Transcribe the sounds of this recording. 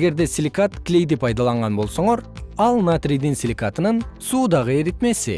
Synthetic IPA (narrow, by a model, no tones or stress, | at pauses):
ɡʲe̞ɾd̪e̞sʲilʲikat̪kʲɪlejd̪ɪpʰɑjd̪ɑlˠɑɴʁɑnbo̞lˠsoɴɑɾɑlˠnat̪ɾijd̪ɪnsʲilʲikat̪ənənsud̪ɑʁəeɾɪt̪me̞sɪ̰